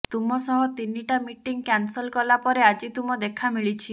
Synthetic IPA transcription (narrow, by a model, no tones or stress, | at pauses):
t̪umɔsɔɦɔt̪iniʈamiʈiŋkansɔlkɔlapɔɾead͡ʒit̪umɔd̪ekʰamiɭit͡ʃʰi